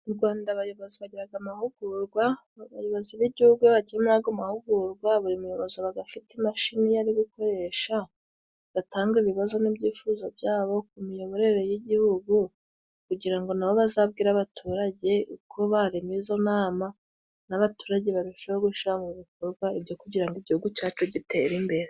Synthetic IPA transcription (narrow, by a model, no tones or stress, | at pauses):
uɾɡwaːndaβajo̞βoziβaɟiɾaɡamahuɡ̥uɾɡwa | βajo̞βo̞ziβiɟihuɡweβaɟiemaɡamahuɡuɾɡwaβuɾimujo̞βo̞ziβaɡafitimaʃinijaɾiβiko̞ɾe̞ʃa | β̥ataːŋɡiβiβazo̞nibɟiːfuːzabjaːβo̞k̚umijo̞βo̞ɾe̞ɾe̞jiɟihuɡu | kuɟiɾaŋɡo̞naβo̞βazaːb̚ɡiːɾaβatʰuɾaɟe̞ukʰoβaɾimizo̞naːma | naβatuːɾaɟe̞βaβiʃeoɡuʃiamuβikoɾɡwaibjo̞kuɟiɾaŋɡiɟihuɡucaːt͡ʃoɟite̞ɾimbe̞ɾe